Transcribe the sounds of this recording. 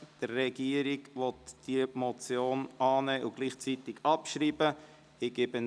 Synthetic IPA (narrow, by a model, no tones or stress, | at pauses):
d̥ərːɛɡiəɾɪɡʋɔtd̥imɔt͡sjoːnʔɑːnɛːʔʊɡ̥liːχt͡sit̪ɪɡɑpʃɾiːbə | ɪɡ̥ebən